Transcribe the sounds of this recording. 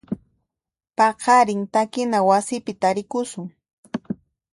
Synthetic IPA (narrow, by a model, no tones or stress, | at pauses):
pɑqɑɾɪŋt̪akɪnawasɪpɪt̪aɾɪkʊsʊŋ